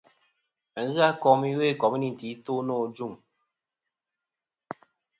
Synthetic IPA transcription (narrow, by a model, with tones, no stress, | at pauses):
ŋ̩˦ɣɨ˦a˦kɔ˨˦mi˦we˦˨kɔ˨mi˦ni˨n˨ti˨˦to˦nɔː˦˨˦d͡ʒu˦˨ŋ